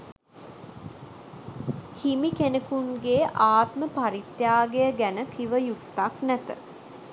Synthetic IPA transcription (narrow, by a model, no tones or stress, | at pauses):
himikenəkunɡeːʔaːt̪məpaɾit̪jaːɡejəɡænəkʰiʋəjut̪ːaknæt̪ə̰